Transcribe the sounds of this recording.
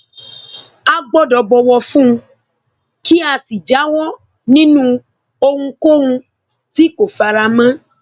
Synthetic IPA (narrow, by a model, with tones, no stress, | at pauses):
a˦ɡ͡bɔ˦dɔ˧bɔ˧wɔ˧fũ˦ũ˧ | ki˦a˧si˨d͡ʒa˨˦wɔ˦ | nĩ˦nũ˦ | o˧hũ˧ko˦ũ˧ | ti˦ko˨fa˧ɾa˧mã˦